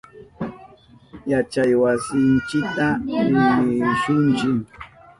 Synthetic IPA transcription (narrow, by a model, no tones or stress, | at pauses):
jat͡ʃajwasɪnt͡ʃɪk̚t̪aɾɪmɪʃʊnt͡ʃɪŋ